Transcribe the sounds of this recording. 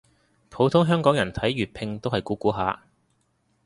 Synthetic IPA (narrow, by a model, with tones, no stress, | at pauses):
pʰo˨˥wt̪ʰʊ˥ŋɦœː˥ŋkɔː˨˥ŋjɐ˨˩nt̪ʰɐ˨˥jɥyː˨t̚pʰɪ˧ŋt̪o˥wɦɐ˨jkuː˨˥kuː˨˥ɦaː˨˧